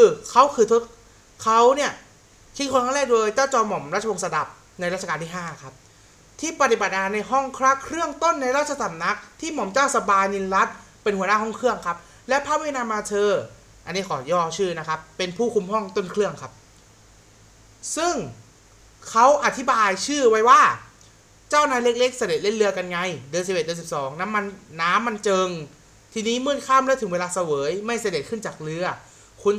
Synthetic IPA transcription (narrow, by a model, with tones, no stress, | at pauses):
kʰɯː˧kʰa˦˥wkʰɯː˧t̪ʰo˦˥t̪̚ | kʰa˦˥wni˥˩ɐ | kʰi˦˥kʰo˧nkʰa˥˩lɛː˥˩k̚doː˧jt͡ɕaː˥˩wt͡ɕɔː˧mɔ˩˦mɾa˦˥t̪̚t͡ɕʰa˧oː˧sa˧da˨˩p̚ | na˧jɾa˥t͡ɕa˧aː˧nt̪i˥˩ɦaː˥˩kʰa˦˥p̚ | t̪ʰiː˥˩pa˧˩t̪i˨˩ba˨˩t̪̚ʔaː˧na˧jɦɔ˥˩ŋkʰɾa˦˥˩kʰɾɯ˥˩əŋt̪o˥˩nːa˧jɾaː˥t̪̚t͡ɕʰa˧sa˨˩˦mna˦˥k̚t̪ʰiː˥˩mɔ˩˦mt͡ɕaː˥˩wsa˧baː˧jni˧nɾa˦˥t̪̚ | pe˧nhu˩˦ɐnaː˥˩ɦɔ˥˩ŋkʰɾɯ˥˩əŋkʰa˦˥p̚ | lɛ˦˥pʰaː˥˩wi˥˩˨naː˧mːaː˧t̪ʰɤː˧ | ʔa˧nːiː˦˥˩kʰɔː˩˦jɔː˥˩t͡ɕʰɯː˥˩na˦˥kʰa˦˥pːe˧npʰuː˥˩kʰu˧mhɔ˥˩ŋt̪o˥˩nkʰlɯ˥˩əŋkʰa˦˥p̚ | sɯ˥˩ŋ | kʰa˦˥wʔa˧˩t̪ʰi˦˥baː˧jt͡ɕʰɯː˥˩wa˦˥jwaː˥˩ | t͡ɕaː˥˩wnaː˧jle˦˥k̚le˦˥k̚sa˧de˨˩t̪̚le˥˩nlɯ˧˥ɐka˧nŋa˧jdɯ˧nsi˨˩pʔe˩dnsi˨˩psɔː˩˦ŋna˦˥mːa˧nːaː˦˥mːa˧nt͡ɕɤː˧ŋ | t̪ʰiː˧niː˦˥mɯː˥˩nkʰaː˥˨mlɛ˦˥t̪ʰɯ˨˩˦ŋweː˧laː˧sa˧wɤː˩˦jma˥˩jsa˧de˨˩t̪̚kʰɯ˥˩nt͡ɕaː˨˩k̚lɯ˧˥ɐ | kʰu˧n